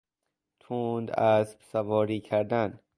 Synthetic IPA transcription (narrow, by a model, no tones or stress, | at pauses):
t̪ʰuːnd̪æsbsævɒːɾiːkʰæɾd̪æn